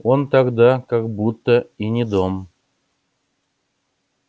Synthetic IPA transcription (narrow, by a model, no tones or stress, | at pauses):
ont̪ɑɡd̪ɑkɑkbut̪ːəinʲid̪om